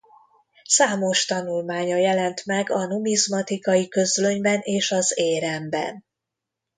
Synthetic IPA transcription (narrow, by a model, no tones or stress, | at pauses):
saːmo̞ʃt̪ɒnulmaːɲɒjɛlɛnt̪mɛɡɒnumizmɒt̪ikɒjikø̞zlø̞ɲbɛneːʃɒzeːɾɛmbɛ̰n